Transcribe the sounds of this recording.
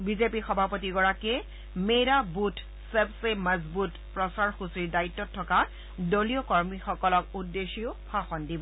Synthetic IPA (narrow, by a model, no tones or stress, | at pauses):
bizepixɔbʱapotiɡɔɹakɛ | mejɹabut | sebseməzbut | pɹɔsaɹxusiɹdaitːɔtʰːɔka | doliɔkɔɹmixɔkɔlɔkudːexiʊpʰaxɔndibɔ